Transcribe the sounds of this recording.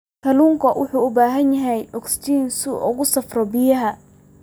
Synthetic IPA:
kʰɐluːŋkʰɐwʔʊ̰ħuːʊbaːɦɐnjɐɦɛjʔɔkst̪iːnsʊʔʊɣʊsɐfrɔbɪjɐɦɐ

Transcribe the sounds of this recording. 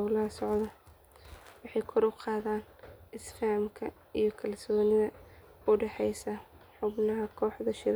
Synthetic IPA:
wlɐɦɐsɔʕdɐ | wɑħɑjkʰɔɾʊqɑːðaːnɪslaːmkʰɐ | ijɞkʰɐlsɔːnɪðɐ | ʊɖɛħɛjsɐħʊbnɐɦɐkʰɔːħðɐʃɪɾ

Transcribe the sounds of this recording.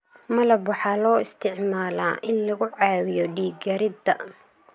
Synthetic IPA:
mɐlɐbwɑħɑːlɔːɪst̪ʰɪʕmaːla̰ːʔɪnlɐɣʊʕɑːwɪjɔɖiːɡɐɾɪd̪ɐ

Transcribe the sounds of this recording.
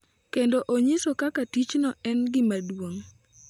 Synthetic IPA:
kendoʔoɲɪsokakatit͡ʃnɔɛnɡɪmadwoŋ

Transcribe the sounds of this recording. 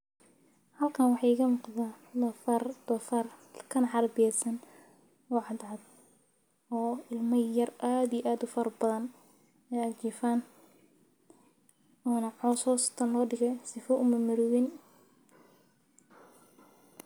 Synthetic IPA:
hɐlkʰaːnwɑħɑɪɣɐmʊqðaːlfɐrd̪ɔfɐrkʰɐnɐħɑɾbɪjɛsɐn | ɔːʕɑd̪ʕɑd̪ | ɔːɪlmɐjɐraːd̪ijɛʔaːd̪ʊfɐɾɐbɐðɐn | ɛjɐt͡ʃiːfaːn | ɔːnɐʕɔːsɔːst̪ʰɐnɔːɖɪɣɛjsɪfɔʊmɐmɐɾʊwɪn

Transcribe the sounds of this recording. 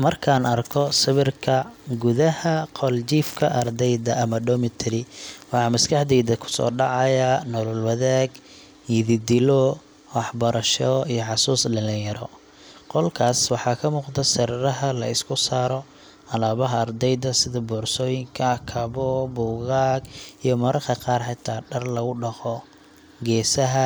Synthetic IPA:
mɐrkʰaːnɐrkʰɔsɪβɪrkʰɐɡʊðɐhɐqʰɔlt͡ʃiːfkʰɐʔɐrd̪ɛjd̪ɐʔɐmɐɖɔmɪt̪ʰɾɪwɑħɑːmɐskʰɑħd̪ɛjd̪ɐkʰʊ̥sɔ̰ːɖɑʕɑjanɔlɔlwɑðaːɡ | jɪðɪd̪ɪlɔ | wɑħbɐɾʔɐʃɔijɔʕɑsuːslɐlɪjɐɾɔ̰ | qɔlkʰaːswɑħɑkʰɐmuːqd̪ɐsɐɾɾɐɦɐlɐ̰ɪskʰʊsaːɾɔ | ɐlaːβɐɦɐɐrd̪ɛjðɐsɪðɐbɔːrsɔːjɪŋkʰɐkʰɐβɔbʊːɣaːɡijɔmɐɾɐrkɐqɑːrħɑt̪ʰaːɖɐrlɐɣʊɖɑqɔ | ɡɛːsɐɦɐ

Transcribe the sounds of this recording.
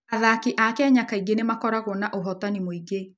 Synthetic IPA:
aðakiʔakɛɲakaiɡenemakɔɾaɣɔnaʔoɦɔtanimoiɡe

